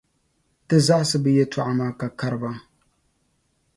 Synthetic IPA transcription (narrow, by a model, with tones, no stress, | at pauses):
tɨ˦za˦ʔa˦sɨ˦bɨ˦jɛ˦ta˦˨ʔa˦maː˦ka˨ka˦ɾɨ˦ba˦